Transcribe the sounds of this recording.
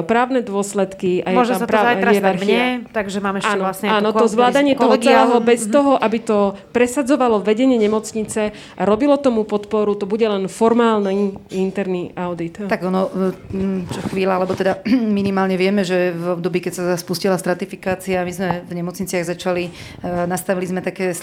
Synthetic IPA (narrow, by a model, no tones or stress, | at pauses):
pɾaːʊnɛd̪ʊɔslɛt̪kiajɛʒɛmsatpɾaːaj̪ɾaɛaɾxmɲiɛt̪aɡʒɛmaːmɛʃaːnɔlasɲɛaːɔɔzʋlaːd̪aɲɪɛt̪ɔɦɔɡɛɛɦɔbɛst̪ɔɦɔʔabit̪ɔ | pɾɛsad͡zɔʋalɔʋɛɟɛɲɪɛɲɛmɔt͡sɲit͡sɛ | aɾɔbilɔt̪ɔmupɔt̪pɔɾut̪ɔbuɟɛlɛnfɔɾmaːlnɛint̪ɛɾniʔaʊd̪it̪t̪aɡɔnɔ | t͡ʃɔxʋiːlaalɛbɔt̪ɛd̪aminimaːlɲɛʋɪɛmɛʒɛvɔb̚d̪ɔbiːkɛcsaspuscilast̪ɾat̪ifikaːt͡siamizmɛvɲɛmɔt͡sɲit͡sɪaɣzat͡ʃali | nast̪aʋilizmɛt̪akɛːs